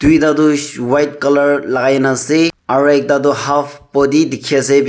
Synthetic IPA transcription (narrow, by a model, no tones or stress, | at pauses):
d̥ujdaduwajt̚kɔlɔɹlaɡajnaseaɾuɛk̚daduhapʰpɔdidikʰiase